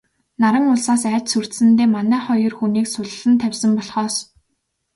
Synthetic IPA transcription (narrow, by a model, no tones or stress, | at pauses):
naɾə̆ŋʊɮsaːsæːt͡ɕsɵr̥t̪sɘ̆nt̪eːmanæːχɔjɞ̆rxuniːksʊɮɮɘ̆nt̪ʰæwʲsə̆mpɔɮχɔːs